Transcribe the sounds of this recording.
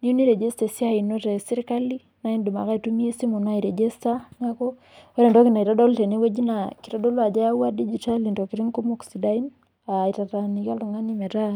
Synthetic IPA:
ni˦jo˦ni˦ɾɛ˨d͡ʒɛ˦sta˨si˦a˦i˨no˦tɛ˨si˦ɾika˦li˦ | na˦i˦ndu˨ma̰˨ka˦itumi˦e˦si˦mo˨na˦i˨ɾɛ˨d͡ʒɛ˦sta˦ɲa˦kɔ˦ | ɔ˦ɾɛ˨ndɔ˦ki˨na˨i˨ɾɔ˦dɔ˦ltɛ˨ne˦we˦d͡ʒi˦naki˨ɾɔ˦dɔ˦lwa˨d͡ʒa˦ja˦wa˦di˦d͡ʒi˨ta˦li˨ndɔ˨ki˨ɾi˦ŋko˦moksi˨da˦i˦n | ai˨ta˨ɾa˨nika˦lɔ˨ŋa˦nimɛ˨ta˦

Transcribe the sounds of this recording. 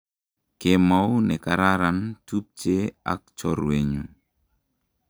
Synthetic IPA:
keɪ˨ma˦wnɛ˨ka˨ɾa˦ɾa˨ntu˦p̚t͡ʃe˦a̰˦k̚t͡ʃɔ˦ɾwe˨ɲu

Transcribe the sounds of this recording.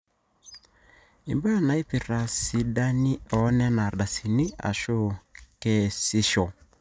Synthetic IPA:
ḭ˨mba˦˨na˨i˦pi˨ra˨si˨ɗa˦ni˦ɔ˨˦nɛ˦na˨ɗa˨si˨ni˦a̰˨ʃo˦kɛ˦˨si˦ʃɔ˨

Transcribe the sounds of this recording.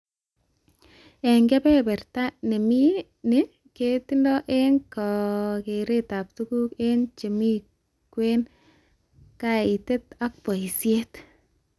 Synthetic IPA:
ɛ˨ŋɡɛ˦pɛ˦bɛ˨ɾta˦ne˨mi˦ | ne˦ | ke˦ti˦ndɔ˦ʔe˦nkɔ˨ke˨ɾe˦ta˨p̚tu˦ku˦ke˦nt͡ʃe˨mi˦ | kwe˦n | ka˦i˨te˦t̪a˦k̚pɔ˨i˨sje˦t

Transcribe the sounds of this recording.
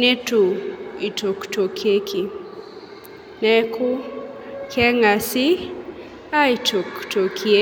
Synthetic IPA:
ne˦tu˨i˨tʰo˨kto˨kʰe˦kʰi˨ | nɛ˦kʰʊ˦ | kʰɛ˦ŋa˨sɪ˦ | a˦i˨to˨kto˨kʰie˦

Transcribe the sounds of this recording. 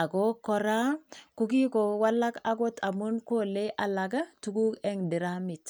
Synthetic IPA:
a˨ɡo˦kːɔ˦ɾa˦ku˦ki˦ko˨wa˦lːa˦ka˦ɡ̬o˦t̪a˨mu˦nko˦le˦ʔa˨la˨ɡa˦tu˨˦ɡu˦kɛ˦ŋdɪ˨ɾa˦mi˨t̪

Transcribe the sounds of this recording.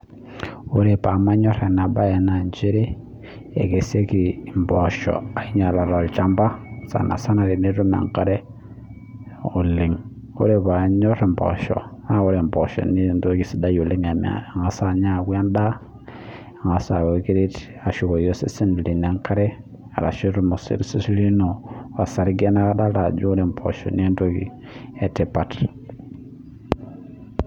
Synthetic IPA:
u˦ɾe˨pa˨ma˦ɲɔ˦ɾe˨n˨a˨ba˦je˨na˨nd͡ʒe˦ɾi˦ | ḛ˨ɡe˨se˦ki˨mbɔ˨ʃɔ̰˨a˨i˦ɲa˨la˨ɾo˨t͡ʃa˦mba˦sa̰˨na̰˨sa˦na˨ɾi˨ni˦ɾu˦ma̰˨ŋ˨ka˦ɾe˦ | u˨li˨ŋ | ṵ˦ɾe˦ba˨˦ɲɔ˦ɾe˨mbɔ̰˨ʃɔ̰˨na˦wo˦ɾe˨mpo˨ʃɔ̰˨ni˦˨nto˦ki˨si˨da˦ju˨li˦ŋa˨ma̰˨a˨ŋa˨sa˨ɲa˦˨wʷa˦nda˦ | a˨ŋa˨sa˨wo˨ki˦ɾi˦t | a˨ʃu˨ko˨jo˦si˦si˦n˨li˨ne˨˦ŋka˦ɾe˦ | a̰˨ɾa̰˨ʃi˦ɾu˦mo˨sḭ˦ɾsi˦sli˦no˨a˨sa˨ɾi˦ɡe˦na˦ka˦da˦la˨d͡ʒu˦ɾe˨mpʰo̰˨ʃo̰˨ni˦nto˦ɡḭ˨ | e˨te˨pa˨t

